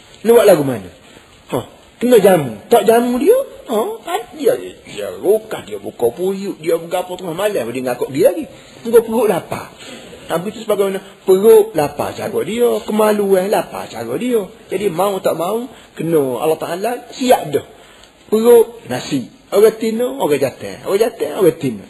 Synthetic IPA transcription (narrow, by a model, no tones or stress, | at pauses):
nəwaʔlaɡumano̰ | hɔ | kənod͡ʒamut̪oʔd͡ʒamudioɔpaddia̰dia̰ɾukahdiobukɔpujuʔdiobəɡapɔt̪əŋahmalɛhbdiŋɡakɔʔɡilaɡi | ŋɡopəɾʊʔlapa̰abit̪usəbaɡamanɔ | pəɾʊʔlapa̰t͡ʃa̰ɾɔ̰ʔdiokəmaluɛlapa̰t͡ʃa̰ɾɔʔdiod͡ʒadimaut̪aʔmau | kənoa̰lːaht̪aʔalasiaʔdɔh | pəɾʊʔnasi | oɣat̪ɪnooɾad͡ʒat̪ɛ̰o̰ɣad͡ʒat̪ɛoɣɛt̪ɪno̰